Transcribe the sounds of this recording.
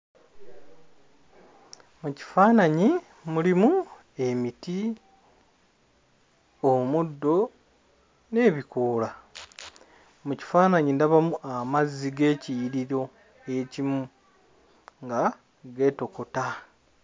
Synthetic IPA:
muci̥faːnaɲi | mulimu | e̞miti | omudːo̞ | ne̞ːβikoːla | muci̥faːnaɲindaβamuʔamazːiɡe̞ːcijɾiɾo̞ | e̞cimu | ŋɡa | ɡe̞ːto̞ko̞ta

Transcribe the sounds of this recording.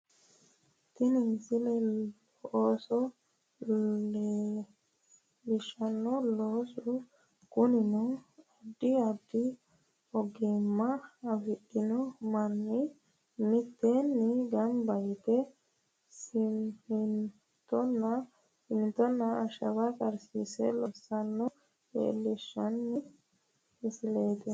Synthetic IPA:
t̪ɪnɪnsɪlɛ | ɔʔoːsɔ | e | bɪʃɐnːɔloːsɔ | ɡ̥ʊnɪnɔɐd̪ːɪɐd̪ːɪ | ɔɡɪmːɐːwɪʔɪnɔmɐnːɪ | mɪt̪ːenːɪɡɐmbɐjɪt̪ɛ | sɪmɪn | t̪ɔn | sɪmɪt̪ːɔnːɐːʃɐwɐkʼɐɾsisɛ̰lɔsːɐnːɔ | ḛlɪʃːɐnːɪ | ɪsɪlejt̪ɛ

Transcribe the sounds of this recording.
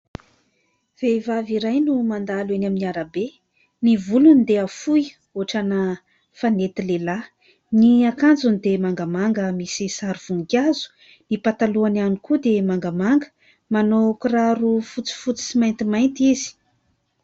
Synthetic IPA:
v̥evaviɾajnumand̪alenaminiaɾabe | nivulunid̪eafuj | oʈ͡ʂanə | fanet̪ilela | niakand͡zunid̪emaŋɡamaŋɡəmisisaɾuv̥uŋɡazu̥ | nipat̪aluananikud̪emaŋɡamaŋɡə̥ | manokuraɾufut͡si̥fut͡si̥simajnt̪imajnt̪izi̥

